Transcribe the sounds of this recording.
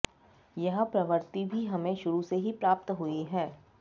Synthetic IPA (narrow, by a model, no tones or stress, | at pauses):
jɐɦpɾɐʋəɾt̪ibʱiɦɐmẽʃʊɾuseɦipɾaːp̚t̪ɦuiɦɛ̃ː